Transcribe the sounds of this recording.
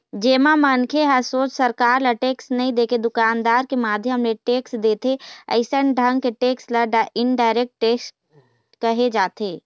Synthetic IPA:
d͡ʒeːmamənkʰeɦəsoːt͡ʃsɐɾkaːɾlaʈeːksnɐɦĩd̪eːkʰed̪ʊkaːnd̪aːɾkemaːd̪ʱjəɦəmleʈeːksd̪eːt̪ʰeə̰ɪsənɖʱə̃ŋɡ̚keʈeːkslaɖɪnɖaːɪɾeːk̚ʈːeːks | kɐɦed͡ʒaːt̪ʰeː

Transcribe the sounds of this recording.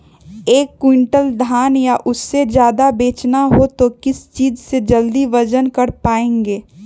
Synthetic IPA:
eːkːwɪɳʈəld̪ʱaːnjaʔʊsːed͡ʒjaːd̪abeːt͡ʃnaɦot̪okɪst͡ʃiːd͡ʒsed͡ʒəld̪iʋəd͡ʒənkɐɽpaːẽːŋɡeː

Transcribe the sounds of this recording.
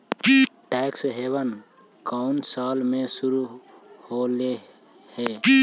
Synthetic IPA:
kiʈɛːksɦeːʋən | kaʊnsaːlmẽsʊɾu | hole | hɛː

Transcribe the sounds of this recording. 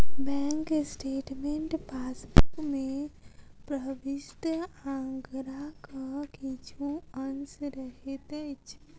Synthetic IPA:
bɛ̃ːŋksʈeːʈmeɳʈpaːsbukmẽ | pɾəbɪst̪əãːŋɡɾakakit͡ʃʰuənsɾəɦet̪ɛt͡ʃʰ

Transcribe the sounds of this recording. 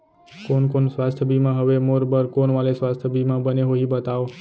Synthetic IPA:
konkonsʋast̪ʰəbʱimãɦəʋemoɾbəɾkonʋalesʋast̪ʰbʱimãbəneɦoɦibət̪ao

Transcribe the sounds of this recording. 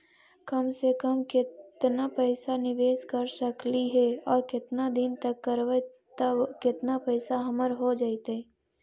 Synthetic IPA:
kɐmsekəmkɪt̪napɛːsanɪʋeːskəɾsəkliɦɛɔːɾkɪt̪nad̪ɪnt̪ɐkːəɾʋə | t̪əbkɪt̪napɛːsaɦɐməɾɦod͡ʒaːit̪ɦɛː

